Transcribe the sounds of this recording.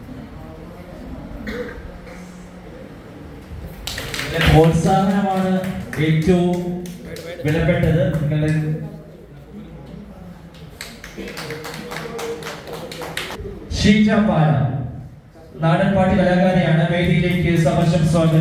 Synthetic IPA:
iːɐlepoːlsaːd̪ʱɐnɐmaːɳɨe̞ːtːɐʋum | ʋiɭɐpːe̞ʈːɐðɨniŋːɐɭe | ɕiːt͡ɕaːpːaːnɐm | naːɽɐnpaːʈːikɐlɐɣaːɾɐjaːɳɨmeːɾijile̞ːkʲːɨsɐmɐɕɐmsaːnɐ

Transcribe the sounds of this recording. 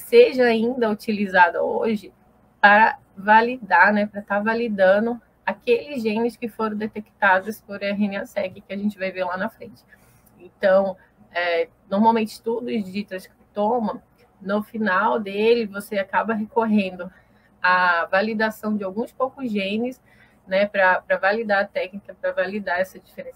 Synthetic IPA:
seʒɐaĩnd̪ɐut͡ʃilizad̪ɐ̰oʒɪ | pɾɐ | valid̪anɛpɾɐt̪aɾvalid̪ɐ̃nʊ | akelɪzʒẽnɪskɪfoɾɐ̃w̃d̪et̪ekt̪ad̪ʊspoɾɐɦẽniasɛkɪkɪaʒẽnt͡ʃɪvajveɾlanɐfɾẽnt͡ʃɪ̥ | ẽnt̪ɐ̃w̃ | ɛ | noɾmawmẽnt͡ʃɪ̥t̪ud̪ʊɪzd͡ʒit̪ɛskɪt̪õmɐ | nʊfinawd̪elɪvoseakabɐɦekoɦẽnd̪ʊ | ɐvalid̪asɐ̃w̃d͡ʒɪawɡũspowkʊzʒẽnɪs | nɛpɾɐpɾɐvalid̪aɐt̪ɛknikɐpɾɐvalid̪aɛsɐd͡ʒifeɾẽsɐ

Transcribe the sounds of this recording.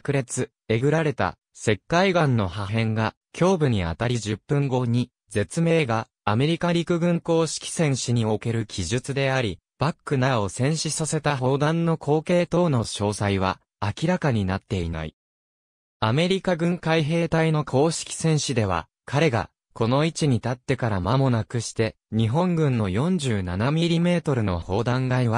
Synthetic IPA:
kɯ̟ɾe̞t͡sɨ | e̞ɡɯ̟ɾaɾe̞t̪a̰ | se̞kːaiɡãnːo̞haɦẽ̞ŋɡa | kʲʰo̞ːbɯ̟ɲ̟ia̰t̪aɾʲiʑɨpːɯ̟̃ŋɡo̞ɲ̟i | d͡ze̞t͡sɨme̞ːɡaː | me̞ɾʲikaɾʲikɯ̟ɡɯ̟̃ŋko̞ːɕi̥kʲi̥sẽ̞ɰ̃ɕiɲ̟io̞ke̞ɾɯ̟kʲʰiʑɨt͡sɨd̪e̞aɾʲi | b̥akːɯ̟nao̞sẽ̞ɰ̃ɕisase̞t̪aɦo̞ːd̪ãnːo̞kʰo̞ːke̞ːt̪o̞ːno̞ɕo̞ːsaiβ̞a̰ː | kʲiɾakaɲ̟inat̪ːe̞ḭna̰ḭ | ame̞ɾʲikaɡɯ̟̃ŋkaiɦe̞ːt̪aino̞kʰo̞ːɕi̥kʲi̥sẽ̞ɰ̃ɕid̪e̞β̞a̰ | kʰaɾe̞ɡa̰ | ko̞no̞it͡ɕiɲ̟it̪at̪ːe̞kaɾamamo̞nakɯ̟ɕi̥t̪e̞ | ɲ̟iɦõ̞ŋɡɯ̟̃nːo̞jõ̞ɲ̟d͡ʑɨːnanamʲiɾʲime̞ːt̪o̞ɾɯ̟no̞̰ho̞ːd̪ãŋɡaiβa

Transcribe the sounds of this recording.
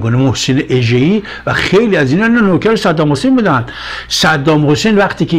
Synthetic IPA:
ɡonemohseneʔeʒei | væxejliæzinɒinɔnokʰæɾesæd̪ːɒːmhosejnbuːd̪ænd̪ | sæd̪ːɒːmhosenvæqt̪ʰiːkʰe

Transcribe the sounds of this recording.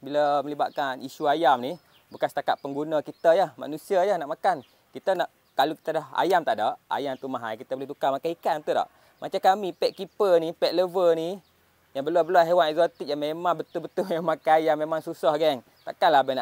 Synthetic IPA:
bilaməliba̰ʔ̪kaniʃuajamni | bukansə̥t̪akat̪̚pəŋɡunakit̪əjahma̰nũsiajanaʔmakan | kit̪ənaʔ | t̪aluki̥t̪adaɦa̰jamt̪aʔdaʔa̰jamt̪umaɦajkit̪aboleht̪ukamakaikanmt̪udɔ̰ʔ | mʔat͡ʃakamipɛʔ̪̚kipənipɛʔ̪̚ləvəni | jaŋbəluabəluaɦewanɛk̚zot̪ik̚jaŋmemãŋbət̪ʊlbət̪ʊmemamakaajamːemaŋsusahɡɛŋ | t̪a̰ʔkanlabanaʔ

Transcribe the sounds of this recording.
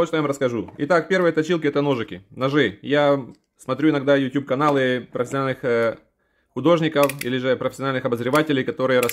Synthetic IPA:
ot̪ovamɾəskɐʐuɪ̰t̪ak̚pʲe̞rvɨjət̪ɐt͡ɕilˠkʲɪɛt̪əno̞ʐɨkʲɪnɐʐɨja | smɐt̪ɾʲuɪnɐɡd̪ajʊtʲjup̚kɐnalˠɨpɾəfʲɪsʲɐnalʲnɨx | xʊd̪o̞ʐnʲɪkəfilʲɪʐɨpɾəfʲɪsʲɪɐnalʲnɨxɐbəzɾʲɪvatʲɪlʲɪjkɐt̪o̞ɾɨjəɾɐ

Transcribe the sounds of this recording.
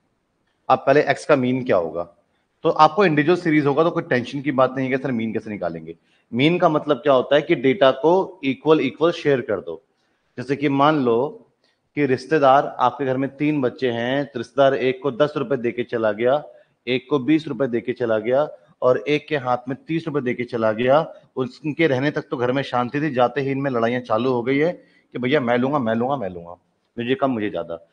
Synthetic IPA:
abpɛɦleʔɛːkskamiːnkja̰ɦo̰ːɡa̰ː | t̪oʔaːp̚koɪ̃ɳɖɪd͡ʒuʋəlsiːɾiːzɦoːɡat̪okoːiʈɛ̃ːnʃənkibaːt̪nɐɦĩkɛːsɐɾmiːnkɛːsenɪka̰ːlẽːŋɡeː | miːnkamɐt̪ləb̚kjaːɦoːt̪aɦɛkiɖeːʈakoiːkʋəliːkʋəlʃeːəɾkɐɾd̪o̰ː | d͡ʒɛːsekimaːnloː | kiɾɪʃt̪ed̪aːɾa̰ːp̚keɡʱɐɾmẽt̪iːnbɐtːʃeɦɛ̃ɾɪst̪ed̪aːɾeːkːod̪ɐsɾʊped̪eːket͡ʃɐlaɡɐja | eːkːobiːsɾʊped̪eːket͡ʃɐlaɡɐja | ɔːɾeːkːeɦaːt̪ʰmẽt̪iːsɾʊp̬ed̪eːket͡ʃɐlaɡɐjaʊskeɾɛɦnet̪ɐk̚t̪oɡʱɐɾmẽʃãːnt̪it̪ʰid͡ʒaːt̪eɦɪnmẽlɐɽaːijãt͡ʃaːluɦoɡɐiɦɛ̃ | kibʱɐjːamɛ̃ːlũːŋɡamɛ̃ːlũːŋɡamɛ̃ːlũːŋɡa̰ː | mʊd͡ʒʱekɐmːʊd͡ʒʱezja̰ːd̪a̰

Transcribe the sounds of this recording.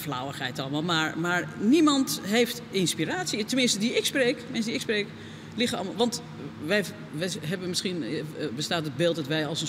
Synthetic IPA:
flawəχɛjtɔlˠmalˠmaɹmaɹnimɑntɦejftɪnspiraːtsjitəmɪnstədiɪkspreːkmɪnsdiɪkspreːk | lɪxɔ̰lˠmalˠʋɑnt | ʋɛj | ʋɛɦɛbəmɪsχinbəstaːtəd̚beːlˠt̚dɔtʋɛjɔlˠsən

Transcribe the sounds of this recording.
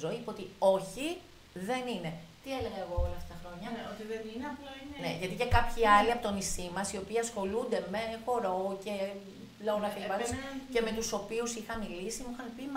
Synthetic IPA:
zo̞ipoo̞t̪io̞çi | ðe̞nine̞t̪ie̞le̞ɣɐeɣo̞olɐft̪ɐt̪ɐxɾo̞ɲɐot̪ðeinɐplɐinneʝɐt̪ice̞kɐpçiɐliɐpot̪onist̪imɐsio̞piːɐsxo̞lund̪e̞me̞xo̞ɾo̞ce̞ | lonɐk̪ɐlipɐd̪osce̞me̞t̪uso̞piusixɐmilisimuixɐmpim

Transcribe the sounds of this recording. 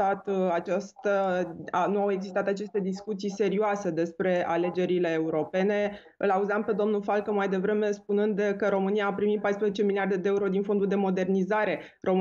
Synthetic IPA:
at̪at͡ʃast̪ə | nuawe̞ɡzist̪at̪at͡ʃe̞st̪e̞d̪iskut̪sijse̞ɾioase̞d̪e̞spɾe̞a̰le̞d͡ʒe̞ɾile̞ːuɾo̞pe̞ne̞ | ɨlauzampe̞d̪o̞mnulfalkəmajd̪e̞vɾe̞me̞spunɨnd̪kəɾo̞mɨnijaːpɾimit̪̚pajspɾezet͡ʃe̞miliard̪e̞d̪eeuɾo̞d̪info̞nd̪uld̪e̞mo̞d̪e̞rnizaɾe̞ | ro̞

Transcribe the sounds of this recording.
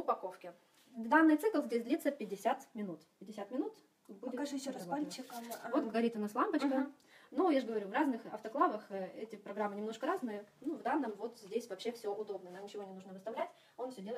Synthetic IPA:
ʊpɐko̞fkʲɪ | d̪anːɨjt̪sɨklˠzʲdʲesʲd̪lʲit̪səpʲɪdʲɪsʲæt̪mʲɪnut̪ʲɪdʲɪsʲat̪mʲɪnut̪ | buɪkaʐɪɕoɐsat͡ɕːɪkvot̪ɡɡɐɾʲit̪ʊnaslˠampət͡ɕkə | nujaʐɡəvɐɾʲuvraznɨxɐ̰ft̪ɐklˠavəxəɛtʲɪpɾɐɡɾamːɨnʲɪmno̞ʂkəɾaznɨjənuvd̪anːəmvo̞t̪zʲdʲesʲvɐpɕːe̞fsʲoʔʊd̪o̞b̚nəjənamnʲɪt͡ɕɪvo̞nʲɪnuʐnəvɨst̪ɐvlʲætʲ | onfsʲɵdʲe̞ləɪt̪

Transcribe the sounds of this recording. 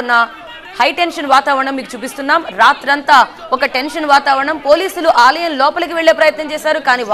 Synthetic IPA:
nːɐ | hɐjʈenʂɐnʋaːt̪aːʋɐɾɐɳɐmːiːkut͡ʃuːpist̪unːaːmɾaːt̪ɾɐnt̪aː | ɔkɐʈe̞nʂɐnʋaːt̪aːʋɐɾɐɳɐmpo̞ːliːsuluʔaːlɐjɐmlɔːpɐlɐkiʋeɭːe̞ːpɾɐjɐt̪nɐmt͡ʃɛːʃaːɾukaːniːʋ

